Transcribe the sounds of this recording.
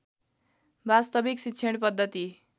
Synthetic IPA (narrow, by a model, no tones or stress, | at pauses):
bast̪ʌbiksitːsʰeɽpʌd̪ʱːʌt̪i